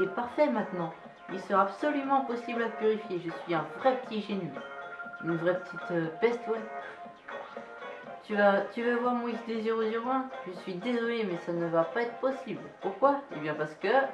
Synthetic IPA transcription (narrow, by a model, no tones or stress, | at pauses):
ɛpaʁfɛmɛ̃t̪nɑ̃ | ilsəʁaːbsɔlymɑ̃pɔsiblapyʁifjeʒəsɥiɛ̃vʁɛpə̥t̪ʰiʒeny | ynvʁɛpət̪ʰit̪pɛst̪wɛ | t̪yvat̪yvavwaʁmwisd̪eziʁozyʁɛ̃ʒəsɥid̪ezɔlemɛsanəvapaɛt̪χə̥pɔsiblpuʁkwaebjɛ̃paʁsə̥kə